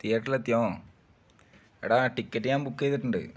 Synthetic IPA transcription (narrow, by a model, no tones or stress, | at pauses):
t̪iːɐʈːilɐt̪jõː | ḛɽaʈikːɐʈːijaːmbukːejt̪ːiʈːuɳɖɨ̰